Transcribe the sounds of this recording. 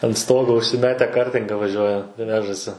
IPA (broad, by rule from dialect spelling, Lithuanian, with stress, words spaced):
ɐn ˈstoːɡoː ʊʃʲsʲɪˈmʲæːtʲɛ ˈkɐrʲtʲɪŋɡɐ ʋɐˈʒʲuɔjɛ ˈʋʲæːʒɐsʲɪ